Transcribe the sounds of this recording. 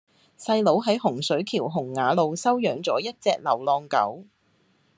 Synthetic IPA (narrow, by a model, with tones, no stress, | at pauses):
sɐ˧jlo˨˥wɦɐ˨˥jɦʊ˨˩ŋsɵ˨˥ɥkʰiː˨˩wɦʊ˨˩ŋːaː˨˧lo˨˧wsɐ˥wjœː˨˥ŋt͡sɔː˨˥jɐ˥t̚t͡sɛː˧k̚lɐ˨˩wlɔː˧ŋkɐ̰˨˥w